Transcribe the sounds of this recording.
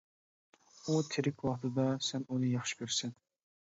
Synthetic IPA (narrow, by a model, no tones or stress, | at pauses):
ut̪ʰɪɾɪkʲwɑχt̪ʰɨd̪ɑsɛnunɨjɑχʃɨ̥kʲʰøɾsɪn